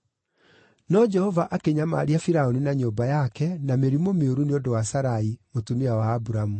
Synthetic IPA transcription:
nɔd͡ʒɛhɔvaʔakeɲama̰ɾiafiɾaoninaɲombajakɛnameɾimomeoɾuneondowasaɾaimotumiawaːbuɾamu

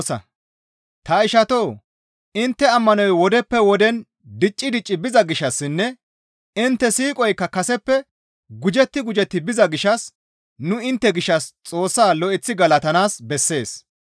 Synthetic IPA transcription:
sɐ̰ | t̪ɐɪʃɐt̪o̞ː | ɪnt̪ːɛɐmːɐnɔjwɔd̪ɛpːɛwɔd̪ɛn | d̪ɪt͡ʃʼːɪd̪ɪt͡ʃʼːɪbɪzɐɡɪʃːɐsːɪnːɛ | ɪnt̪ːɛsiːkʼɔjkːɐkɐsɛpːɛ | ɡʊd͡ʒɛt̪ːɪɡʊd͡ʒɛt̪ːɪbɪzɐɡɪʃɐs | nʊɪnt̪ːɛɡɪʃːɐst͡sʼo̞ːsːaːlɔʔɪt͡sːɪɡɐlɐt̪ɐnaːsbɛsːe̞ːs

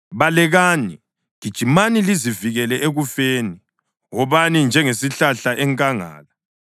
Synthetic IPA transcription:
βalɛɣaːni | ɣ̥id̥ʒ̥ʱimaniliziviɣɛlɛʔeɣufeːni | ɔβanind͡ʒʱɛŋesiɬaɬaʔɛŋkʼaŋa̰ːla

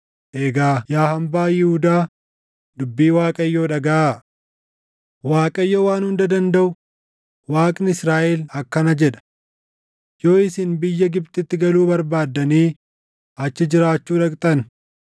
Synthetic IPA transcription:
ʔeːɡaːjaːhɐmbaːjɪhʊd̪aː | d̪ʊbːiːwaːkʼɐjːoːᶑɐɡɐʔaː | waːkʼɐjːoːwaːnhʊnd̪ɐd̪ɐnd̪ɐʔʊ | waːkʼnɪsɾaːʔɛlɐkːɐnɐd͡ʒɛᶑɐ̥ | jo̞ːɪsɪnbɪjːɐɡɪbt̪ɪt̪ːɪɡɐluːbɐɾbaːd̪ːɐniː | ɐt͡ʃːɪd͡ʒɪɾaːt͡ʃːuːᶑɐkʼt̪ʼɐn

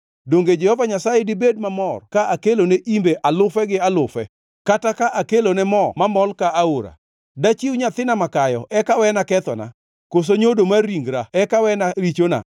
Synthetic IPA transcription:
doŋɡed͡ʒɛhɔvaɲasajedɪbed̚mamɔrkaʔakeloneʔimbeʔalʊfɛɡɪalʊfɛ | katakaʔakelonɛmɔmamɔlkaaoɾa̰ | dat͡ʃiwɲat̪ɪnamakajɔʔɛkawɛnakɛt̪ɔ̰na̰ | kos̬oɲodomaɾiŋɡɾaɛkawɛnaɾit͡ʃona̰

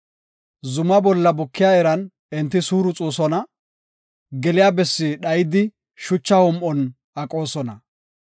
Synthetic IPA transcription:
zʊmɐbɔlːɐbʊkːɪjaːɛɾɐn | ɛnt̪ːɪsuːɾʊt͡sʼuːsɔnɐ | ɡɛlɪjaːbɛsːɪɗɐjɪd̪ɪ | ʃʊt͡ʃːɐhɔmʔɔn | ɐkʼo̞ːsɔnɐ

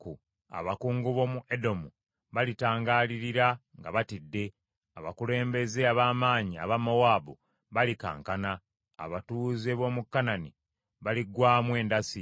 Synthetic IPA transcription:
ku | a̰βakuːŋɡuβo̞muʔedo̞mu | βalitaːŋɡaːliɾiɾaŋɡaβatidːe̞ | aβakule̞ːmbe̞ze̞aβaːmaːɲia̰βamawaːbu | βalika̰ːŋkana̰ː | βatuzeβo̞ːmukːanani | βaliɡwaːmwe̞ːndasi

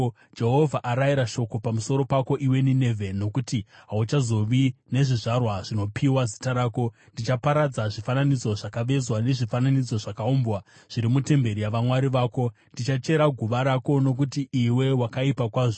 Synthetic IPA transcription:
d͡ʒe̞ɦo̞vʱaʔaɾaiɾaʃo̞ko̞pamuso̞ɾo̞pako̞ʔiwe̞nine̞vʱe̞nːo̞kutiɦaut͡ʃazo̞ʋine̞ʐiʐarwaʐino̞pʰiwazitaɾaːko̞ | ndit͡ʃapaɾad͡zaʐifananid͡zo̞ʐakaʋe̞zwane̞ʐifananid͡zo̞ʐakauːmbwa | ʐ̥iɾimute̞mbe̞ɾijaʋamwaɾiʋaːko̞ | ndit͡ʃat͡ʃe̞ɾaɡʱuʋaɾako̞no̞k̬utiʔːwe̞wakaipakwaːʐo

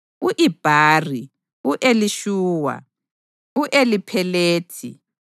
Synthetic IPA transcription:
uʔib̥ʱaːri | uʔeliʃuːwa̰ | uʔelipʰɛleːtʰḭ

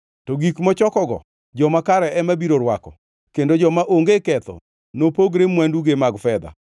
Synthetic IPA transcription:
tɔɡikmɔt͡ʃɔkɔɡɔ̰ | d͡ʒɔmakaɾɛɛmabiɾoɾwakɔ̰ | kendod͡ʒɔmaʔoŋɡekɛt̪ɔ̰ | nopoɡɾemwanduɡemaɡfɛd̪a̰

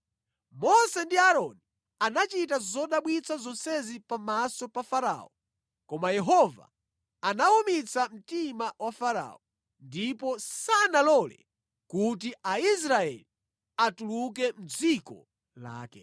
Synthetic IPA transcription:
mɔsɛndiaɾɔni | anat͡ʃitazɔɗaɓwit͡sʰazɔnsɛzipamasɔpafaɾa̰ːɔ | kɔmajɛɦɔva̰ | anaumit͡sʰam̩timawafaɾa̰ːɔ | ndipɔsanalɔlɛ̰ | kut̬iais̬ɾaɛ̰li | atuluk̬ɛm̩d͡zikɔ̰ | la̰ːkɛ̰

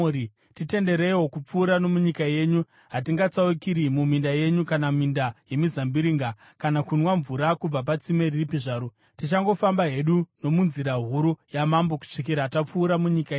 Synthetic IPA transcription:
i | tite̞nde̞ɾeiwo̞kup͡fuːɾano̞muɲikaje̞ɲu | ɦatiŋɡat͡saukiɾimumindaje̞ɲukanamindaje̞mizambiɾiːŋɡa | kanakunwaɱvuɾakub͡vap̬at͡sime̞riripiʐaːɾo | tit͡ʃaŋɡo̞fambaɦe̞ɗuno̞munziɾaɦuɾujamambo̞ku̥ʂik̬iɾaːtap͡fuːɾamuɲikaeɲ

